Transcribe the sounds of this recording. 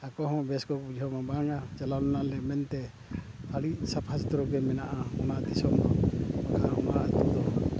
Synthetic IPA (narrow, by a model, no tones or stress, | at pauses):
akɔɦɔ̃bɛskɔkud͡ʒʱɔmabaŋat͡ʃalalnalɛmɛnt̪ɛ | aɽiʔsapʰast̪ɾɔɡɛmɛnaʔaɔnad̪isɔmd̪ɔmakaɔnat̪ud̪ɔ